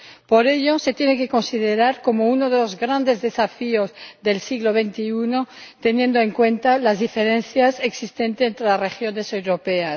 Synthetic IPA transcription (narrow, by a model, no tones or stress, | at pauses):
po̞ɾe̞ʎo̞set̪jeneke̞ko̞nsiðeɾaɾko̞mounoðe̞lo̞zɣɾand̪e̞zðe̞safiozðe̞lsiɣloβent̪iunot̪enjẽ̞nd̪oeŋkwe̞nt̪alazðifeɾẽnθjaseksist̪e̞nt̪eent̪ɾelazrexjo̞ne̞sewɾopeas